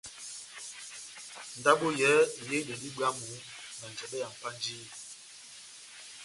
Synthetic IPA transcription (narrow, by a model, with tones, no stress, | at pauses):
n̩˨da˦ɓo˦jɛ˨˦˨je˦də˨di˦ba˦mu˨˦ | mɛ˨n˨d͡ʒɛ˨ɓɛ˦ja˨m̩˨pa˦n˦d͡ʒiː˦˨